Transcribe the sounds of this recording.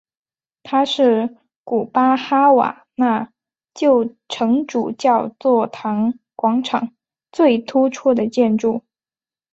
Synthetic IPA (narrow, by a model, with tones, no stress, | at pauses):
t̪ʰa˥ʂɻ̩˥˩ | ku˨˩pa˥xa˥wa̰˨˩ | na˥˩˧ | t͡ɕjo˥˩ʊ | ʈ͡ʂʰɤ˧˥ŋʈ͡ʂu˨˩t͡ɕjɑ˥˧ʊt͡swɔ˥˩t̪ʰɑ˧˥ŋkwɑ˧˥ŋʈ͡ʂʰɑ˨˩˦ŋ | t͡swe˥˩ɪt̪ʰu˥ʈ͡ʂʰu˥˩d̪ə˨˩t͡ɕjɛ˥˧nʈ͡ʂu˥˩